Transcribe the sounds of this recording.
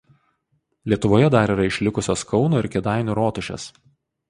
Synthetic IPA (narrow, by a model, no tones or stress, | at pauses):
lʲiɛt̪ʊʋoːjɛd̪ɐɾiɾɐɪʃʲlʲɪkʊsʲoːskɒʊnoːɪɾkʲɛd̪ɑˑɪnʲuːɾoːt̪ʊʃʲɛ̰s